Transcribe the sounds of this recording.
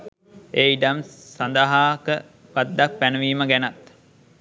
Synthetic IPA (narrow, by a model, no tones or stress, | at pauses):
eːiɖamsand̪aɦaːkə | pad̪ːak̚pænəʋiːməɡænat̪